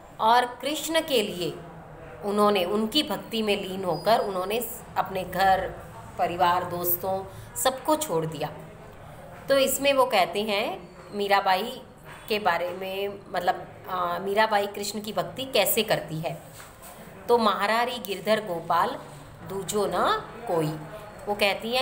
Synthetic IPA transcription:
ɔːɾkɾɪʃnkelie | ʊnɦõneʊnkibʱɐkt̪imẽliːnɦoːkəɾʊnɦõːne | ɐpneɡʱɐɾ | pɐɾɪʋaːɾd̪oːst̪õsɐbkot͡ʃʰoːɽd̪ijaː | t̪oɪsmẽʋokɛɦt̪eɦɛ̃ | miːɾabʱaːi | kebaːɾemẽmɐt̪ləb̚ | miːɾabʱaːikɾɪʃnkibʱɐk̚t̪ikɛːsekɐɾt̪iɦɛː | t̪omɐɦaːɾaːɾiɡɪɾd̪ʱəɾɡoːpaːl | d̪uːd͡ʒonakoːi | ʋokɛɦt̪iɦɛ̃

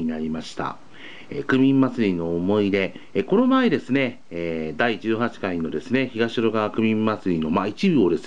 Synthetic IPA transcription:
inaɾʲimaɕi̥t̪a̰ | ḛkɯ̟mʲĩmːat͡sɨɾʲino̞ːmo̞id̪e̞ːko̞no̞maed̪e̞sɨne̞ | ed̪aid͡ʑɨːhat͡ɕi̥kaino̞d̪e̞sɨne̞çiɡaɕiɾo̞ɡakɯ̟mʲĩmːat͡sɨɾʲino̞mait͡ɕibɯ̟o̞d̪e̞sɨ̥

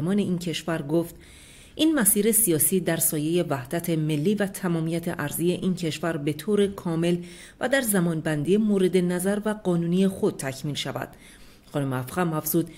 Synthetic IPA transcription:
mɒːne̞iːncʰe̞ʃvæɾɡoːft̪ | ʔiːnmæsiːɾe̞sijɒːsiːd̪æɾsɒːje̞je̞væhd̪̥æt̪ʰe̞me̞lːiːvæt̪ʰæmɒːmijæt̪ʰḛʔæɾzije̞ʔiːncʰe̞ʃvæɾbe̞t̪ʰoːɾekʰɒːme̞l | væ̰d̪æɾzæmɒːnbænd̪ijemoːɾe̞d̪e̞næzæɾvæɡɒːnuːniːjexo̞d̪̚t̪ʰæcʰmiːlʃævæ̰d̪̥ | xɒːnomeæfʁæmæfz̥uːd̪

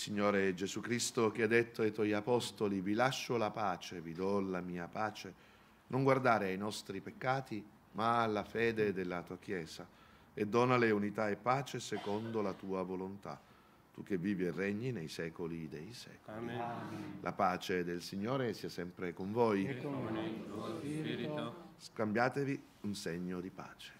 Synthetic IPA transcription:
siɲːoːɾed͡ʒezukɾist̪ok̟ead̪ːet̪ːoejt̪wɔjapɔst̪olivilaʃːolapaːt͡ʃevid̪ɔlamiːapaːt͡ʃe | nʔoŋɡward̪aːɾeajnɔst̪ɾipekːaːt̪i | malːafɛːd̪ed̪elːat̪uːak̟jɛːza | ed̪ːɔːnaleunit̪aepːaːt͡ʃesekond̪olat̪uːavolont̪a̰ | t̪uk̟evːiːvirɛɲːinejsɛːkolid̪ejsɛ̰ːkol | lʔa̰paːt͡ʃed̪elsiɲːoːɾesiasɛmpɾekoɱvoj | skambjaːt̪evi | unseɲːod̪ipa̰ːt͡ʃe̥

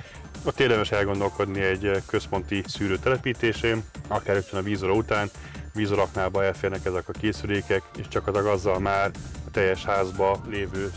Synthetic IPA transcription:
ot̪ːeːrd̪ɛmɛʃɛlɡo̞nd̪o̞lko̞d̪niɛɟkø̞spo̞nt̪isyːɾøːt̪ɛlɛpiːt̪eːʃeːnɒkaːɾet̪ʋɛnɒviːzoɾɒut̪aːn | viːzo̞ɾɒknaːbɒɛlfeːrnɛkɛzɛkɒkeːsyleːkɛkeːʃt͡ʃɒkɒt̪ɒɡɒzːɒlmaːrɒt̪ɛjːɛʃhaːzbɒleːvøː

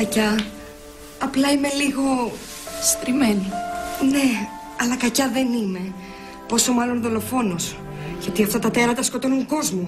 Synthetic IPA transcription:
kɐcɐ | ɐplɐime̞liɣo̞ | st̪ɾimenine̞ | ɐlɐkɐcɐðe̞nime̞ | po̞so̞mɐlo̞nðo̞lo̞fo̞nos | cot̪iɐft̪ɐt̪ɐt̪e̞ɾɐt̪ɐsko̞t̪onuŋko̞zmu

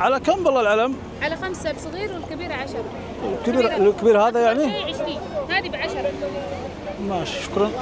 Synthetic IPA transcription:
ʕalækæmbɑlˤːɑlʕaləm | ʕalaxamsasˤɣiːɾwəlkabiːɾaʕaʃɑɾˤ | lkbiɾlkbiɾhæd̪ajaʕniʕəʃɾiːnhaːd̪ibʕaʃɑɾˤɑbi | mæʃʃʊ̥kɾˤɑn

